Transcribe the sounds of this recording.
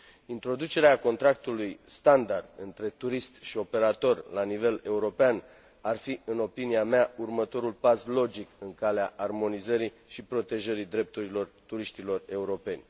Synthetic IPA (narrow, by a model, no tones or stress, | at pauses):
int̪ɾo̞d̪ut͡ʃe̞ɾeako̞nt̪ɾak̚t̪ulujst̪and̪ard̪ɨnt̪ɾe̞t̪uɾist̪ʃio̞pe̞ɾat̪o̞rʲlanive̞le̞uɾo̞pean | arfiɨno̞piniameaurmət̪o̞ɾulpaslo̞d͡ʒikɨŋkaleaʔarmo̞nizəɾi | ʃipɾo̞t̪e̞ʒəɾid̪ɾe̞p̚t̪uɾilo̞rt̪uɾiʃt̪ilo̞re̞uɾo̞pe̞nʲ